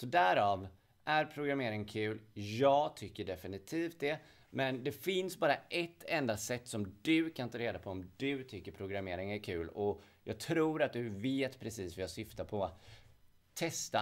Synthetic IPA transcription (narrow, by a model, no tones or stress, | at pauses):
sɔd̪æɾɑːv | ʔæɾpʰɾʊɡɾameːɾɪŋəkʰʉ̟ːljɑːɡt̪ʰʏkːəɖɛfɪnɪt̪ʰiːft̪̚d̪ɛ | mɛnd̪ɛfɪnsbɑːɾaʔɛt̪ʰːɛnd̪asɛt̪ːsɔmd̪ɵkʰant̪ɑːɾeːd̪apʰɔɔmd̪ɵt̪ʰʏkːəɾpʰɾʊɡɾameːɾɪŋæɾkʰʉ̟ːlɔ | jɑːɡ̚t̪ʰɾuːɾat̪̚d̪ɵveːt̪pʰɾɛsiːsvɪjasʏft̪apʰɔa | t̪ʰːɛst̪a